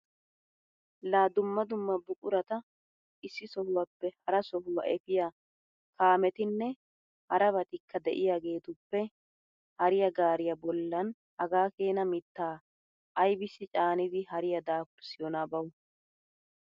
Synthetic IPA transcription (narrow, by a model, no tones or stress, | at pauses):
laːd̪ʊmːɐd̪ʊmːɐbʊkʼʊɾɐt̪ɐ | ʔɪsːɪsɔhʊwɐpːɛhɐɾɐsɔhʊwɐ̰ʔɛfɪja | kaːmɛt̪ɪnːɛ | hɐɾɐβɐt̪ɪkːɐd̪ɛʔɪjaːɡe̞ːt̪ʊpːɛ | hɐɾɪjɐɡaːɾɪjɐbɔlːɐn | hɐɡaːke̞ːnɐmɪt̪ːaː | ʔɐjbɪsːɪt͡ʃʼaːnɪd̪ɪhɐɾɪjɐd̪aːkʊɾsɪjɔnabɐw